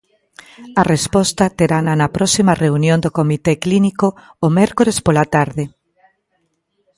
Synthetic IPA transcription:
ɐrespɔst̪ɐt̪eɾananɐpɾɔsimɐreunjõnd̪okomit̪eklinikoː | mɛɾkoɾespolat̪aɾðe

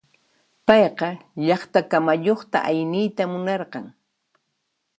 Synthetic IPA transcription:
pɑjqɑʎɑχt̪akamajoχt̪a̰ʔajnɪjt̪amʊnɑɾqɑŋ

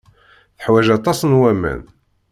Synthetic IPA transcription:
θəħwæʒɑt̪ˤɑsnwæmæ̰n

